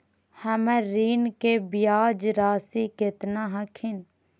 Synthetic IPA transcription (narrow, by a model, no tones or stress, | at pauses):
həmɛ̃ɾiːnkebɪjaːd͡ʒɾaːsikɪt̪nãɦəkʰɪn